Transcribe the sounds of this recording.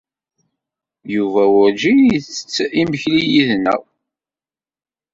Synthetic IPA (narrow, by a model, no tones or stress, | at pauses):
juvæwʊɾd͡ʒiθə̥t͡sːiməçlijiðnæ̰w